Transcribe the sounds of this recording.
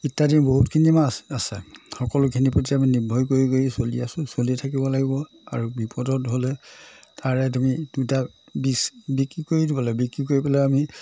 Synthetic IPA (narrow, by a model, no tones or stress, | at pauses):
itːadinboɦutkʰinimasasɛxɔkɔlʊkʰinipotiaminibʱɔjkoɹikoisoliasʊ̃solitʰakibɔlaɡibɔ | a̰ɹubipɔdɔtɦolɛtʰaɹɛtumiduta | bisbikɹikoɹidibɔlabikɹikoɹipɛlɔami